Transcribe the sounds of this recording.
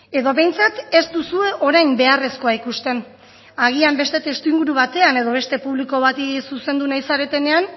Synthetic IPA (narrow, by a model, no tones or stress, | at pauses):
e̞ðo̞βe̞jnt͡sat̪e̞st̪usue̞ʔo̞ɾajnmbe̞are̞sko̞aikust̪e̞n | aɣ̞iambe̞st̪e̞t̪e̞st̪uiŋɡuɾuβat̪e̞ane̞ðo̞β̞e̞st̪e̞puβliko̞βat̪isuse̞nd̪unajsaɾe̞t̪e̞ne̞an